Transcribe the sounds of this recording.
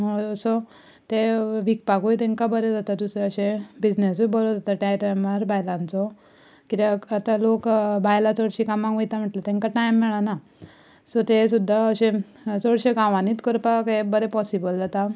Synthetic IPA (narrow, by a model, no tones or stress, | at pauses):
mosɔ | t̪eʋik̚pakujt̪ẽŋkabəɾed͡zat̪at̪useəɕẽbid͡znesujbəlod͡zat̪aʈãɾaməɾbʱajlãnt͡sɔ | kit̪aat̪alokbʱajlat͡sɔɽɕikamãɡʋit̪am̤əʈlat̪ẽŋkaʈajmːɛɭana | sɔt̪esud̪ʱːaəɕẽ | t͡sɔɽɕeɡãʋãniːt̪kəɾpakebəɾepɔsibəld͡zat̪a